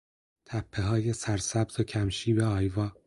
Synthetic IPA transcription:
t̪ʰæpʰːe̞ɦɒːje̞sæɾsæbzocʰæmʃiːbe̞ɒːjvɒː

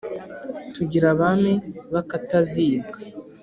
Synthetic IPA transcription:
tuɟiɾaβameβakataziːbɡa

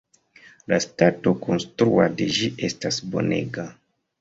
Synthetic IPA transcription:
lastato̞kʰo̞nstɾuade̞d͡ʒiʔe̞stasbo̞̰ne̞̰ɡa

